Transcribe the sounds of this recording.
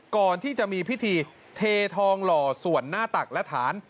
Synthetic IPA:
kɔː˨˩nt̪ʰiː˥˩t͡ɕa˨˩ʔmiː˧pʰi˦˥t̪ʰiː˧ | t̪ʰeː˧t̪ʰɔː˧ŋlɔː˨˩su˨˩ənːaː˥˩t̪a˨˩k̚lɛ˦˥t̪ʰaː˩˦n

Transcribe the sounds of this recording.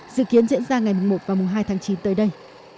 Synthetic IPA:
zɨ̰˧˨ki˨˦ənzḭ˧˥ənzaː˧ŋa˨˩jmɨ˨˩ŋŋ͡mmo˨˩t̚vaː˨˩mʊ˨˩ŋ͡mɦaː˧jt̪ʰaː˨˦ŋt͡ɕi˨˦nt̪əː˨˦jɗə˧j

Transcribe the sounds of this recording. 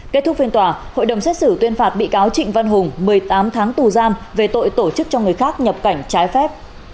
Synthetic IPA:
ke˦˥t̪ʰʊ˦˥k̚fi˧ənt̪waː˧˩ho̰˧˨jɗə˨˩wŋ͡msɛ˦˥t̚sɨ˧˩t̪wi˧ənfaː˨˩t̚ɓḭ˧˨kaː˨˦wt͡ɕḭ̈˧˨ŋ̟va˧nɦʊ˨˩ŋ͡mmɨ˨˩əjt̪aː˨˦mt̪ʰaː˨˦ŋt̪u˨˩zaː˧mve˨˩t̪o̰˧˨jt̪o˧˩t͡ɕɨ˦˥k̚t͡ɕɔ˧ŋɨ˨˩əjxaː˦˥k̚ɲə˨˩p̚ka˧˩jŋ̟t͡ɕaː˨˦jfɛ˦˥p̚

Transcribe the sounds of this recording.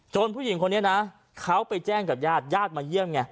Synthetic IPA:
t͡ɕo˧npʰuː˥˩ji˨˩˦ŋkʰo˧nːi˦˥ɐ˧na˦˥ | kʰa˦˥wpa˧jt͡ɕɛː˥˩ŋkaː˨˩p̚jaː˥˩t̪̚jaː˥˩t̪̚maː˧ji˥˩əmŋa˧˩

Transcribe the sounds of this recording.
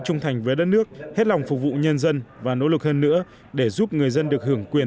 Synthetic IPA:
t͡ɕʊ˧ŋ͡mt̪ʰa˨˩jŋ̟vəː˨˦jɗə˦˥t̚nɨ˦˥ək̚he˦˥t̚la˨˩wŋ͡mfʊ˨˩k̚vṵ˧˨ɲə˧nzə˧nvaː˨˩no̰˧˥lɨ˨˩k̚həː˧nːɨ̰˧˥ə | ɗe˧˩zu˦˥p̚ŋɨ˨˩əjzə˧nɗɨ˨˩ək̚hɨ˧˩əŋkwi˨˩ən

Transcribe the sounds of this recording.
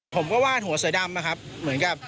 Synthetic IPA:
pʰo˩˦mkɔː˥˩waː˥˩nɦu˩˦ɐsɯ˩˦da˧mna˧kʰa˦˥p̚mɯ˩˦nka˨˩p̚

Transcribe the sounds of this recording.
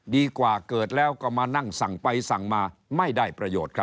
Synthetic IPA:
diː˧kwaː˨˩kɤː˨˩t̪̚lɛː˦˥wkɔ˨˩maː˧na˥˩ŋsa˨˩˦ŋpa˧jsa˨˩˦ŋmaː˧ma˥˩jdaː˥˩jpɾa˧joː˨˩t̪̚kʰɾa˦˥

